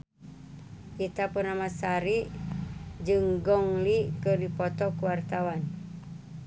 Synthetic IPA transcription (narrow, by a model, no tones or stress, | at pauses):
ʔit̪apurnamasaɾiʔ | d͡ʒɨŋɡɔŋlikɨrdipɔt̪ɔkuwart̪awan